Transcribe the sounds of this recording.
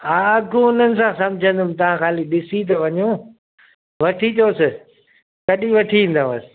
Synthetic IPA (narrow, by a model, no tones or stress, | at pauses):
aːɡõʊnənɪ̆sãsɐ̃md͡ʒʱə̃nd̪ʱʊmt̪ɐʋ̤ãxaːliɗɪsit̪̬ɐʋɐɲõː | ʋɐʈʰit͡ɕoːsɪ | kɐɗiʋɐʈʰiĩːnd̪ãəsɪ̥